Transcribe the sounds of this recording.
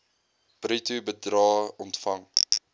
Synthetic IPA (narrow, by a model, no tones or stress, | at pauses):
b̥ritubədrɑːɔntfɐŋ